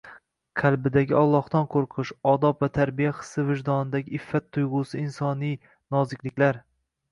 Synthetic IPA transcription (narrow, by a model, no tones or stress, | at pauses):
qʰalbɪd̪aɡʲɪɒlˠːɒhd̪ɒnqʰoɾqʰɨʃɒd̪ɒpvat̪ʰaɾbijaχɨ̥sːɪvɪʒd̪ɒnɪd̪aɡʲɪɪfːat̪ʰːʊjʁʊsɪɪnsɒnij | nɒzɪkʲlɪkʲlaɾ